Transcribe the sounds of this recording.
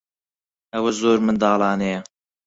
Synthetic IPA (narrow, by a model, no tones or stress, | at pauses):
ɐwɐzoːɾmɨnd̪ɑːlˠɑːnɛjɐ